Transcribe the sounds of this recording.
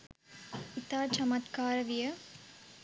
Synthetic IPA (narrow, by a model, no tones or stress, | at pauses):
it̪aːt͡ʃɐmɐt̪kaːɾɐʋijɐ